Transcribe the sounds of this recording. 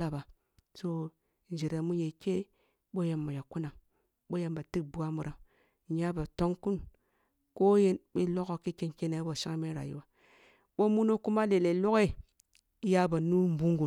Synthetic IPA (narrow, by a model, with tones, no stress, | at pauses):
a˨ba˨ | so˦ | n˨d͡ʒe˨ɾa˨mu˦je˨ke˦ | ɓo˦ja˨mːa˨ja˨ku˦na˨ŋ | ɓo˦ja˦mba˨ti˦k̚bu˦a˦mu˨ɾʔa˨ŋ˨ | ɲa˦ba˨to˦ŋku˦n | ko˦je˦nɓe˦lo˦ko˨ki˦ke˦nke˦na˨˦bo˨ʃa˦ŋ˦me˦ɾa̰˨jḭ˦wa˨ | ɓo˦mu˦no˦ku˦ma˦le˨le˨lo˦ke˦˨ | i˦ja˦ba˨nu˦m˦bu˦ŋɡu˨